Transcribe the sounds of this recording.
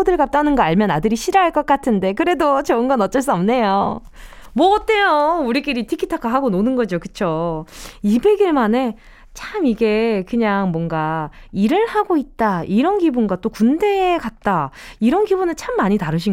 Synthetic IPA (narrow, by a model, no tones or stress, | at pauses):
odɯɭɡap̚t͈anɯnɡʌaɭmjʌnadɯɾiɕʰiɾaɦaɭk͈ʌk͈atʰɯnde̞kɯɾe̞dot͡ɕʌɯnɡʌnʌt͡ɕ͈ʌɭs͈uʌmne̞jo | mwʌʌt͈e̞jouɾik͈iɾitʰikʰitʰakʰaɦaɡononɯnɡʌd͡ʑokɯ̥t͡ɕʰo | ibe̞ɡiɭmane̞ | t͡ɕʰamiɡe̞kɯɲaŋmwʌŋɡaiɾɯɭhaɡoit̚t͈aiɾʌnɡibunɡwat͈okunde̞ːkat̚t͈aiɾʌnɡibunɯnt͡ɕʰamːaɲitaɾɯɕ̬ʰi